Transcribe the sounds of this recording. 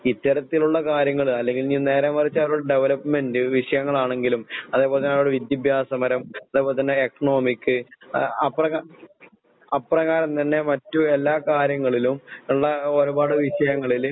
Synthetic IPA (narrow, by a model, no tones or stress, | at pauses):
it̪ːɐɾɐt̪ːiluɭːɐkaːɾjɐŋːɐɭɐlːe̞ŋɡilniːne̞ːɾaːmːɐrit͡ɕːɐʋɐɾuɽeɖe̞ʋɐlɐpːme̞ndɨʋiʂɐjɐŋːɐɭaːɳe̞ŋɡilumɐðeːpoːlet̪ɐneʋɽeʋid̪jɐbʱjaːsɐmɐɾɐmɐðeːpoːlet̪ɐnːe̞ekɐɳo̞ːmikːɨɐpːrɐ | ɐpːrɐkaːɾɐmt̪ɐnːe̞mɐtːuelːaːkaːɾjɐŋːɐɭilumuɭːɐoɾubaːɽɨʋiʂɐjɐŋːɐɭil